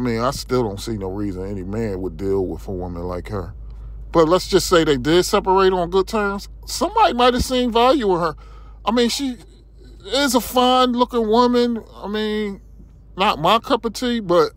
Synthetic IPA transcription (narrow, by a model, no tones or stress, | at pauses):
mĩnaɪstɪlˠdõʊ̃ntsinoʊɹizə̃nɛnimæ̃nwədilˠwɪ̰ðəwɪ̃mə̰̃nla̰ɪkhə̰˞ | b̥ʌtˡlətsd̥ʒ̥ʌstseɪðeɪdɪd̥sɛpə˞eɪɾn̩ɡʊd̚tʰɜ̃˞mz̥ | sʌ̃mbɑɾimaɪt̚ɨv̥sẽɪ̃ɱvælˠjʉɪ̃nə˞ | ʔaɪmĩnʃi | ɪzəfʌ̃ɪ̃nlʊkɪ̃ŋwʊmɨ̃na̰ɪmĩnː | ət̚maɪkʰʌpɨ̥tʰibʌt̚